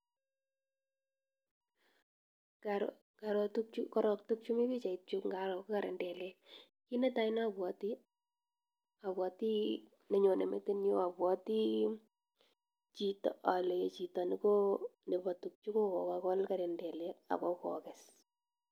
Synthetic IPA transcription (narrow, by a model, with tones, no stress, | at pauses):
kaɾ | ka˨ɾtuk̚t͡ʃukɔ˦ɾɔ˨k̚tu˦k̚t͡ʃu˦mi˦bi˦t͡ʃa˨i˨t̚t͡ʃu˦kŋɡa˨ɾɔ˨kka˨ɾɛ˨ndɛ˨lɛ˦ | ki˦ne˦ta˦in˦a˨bwɔ˨ti˦ | a˨bwɔ˨ti˦ | ne˦ɲo˨ne˨mḛ˦te˦njo˦a˨bwɔ˦ti˦ | t͡ʃi˨tɔ̰a˨le˨je˨t͡ʃi˨ta˨ni˦ko˦ne˨ba˨tuk̚t͡ʃu˦ko˦kɔ̰˨kakɔ˦lka˨ɾɛ˨ndɛ˨lɛ˦a̰˨kɔ˦kɔ̰˨kɛ˨s